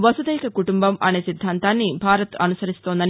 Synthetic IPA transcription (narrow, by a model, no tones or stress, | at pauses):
ʋɐsud̪ɐjkɐkuʈumbɐmɐ̰ne̞ːsid̪ʱːaːnt̪aːnːibʱaːɾɐt̪ɐnusɐɾist̪oːnd̪ɐni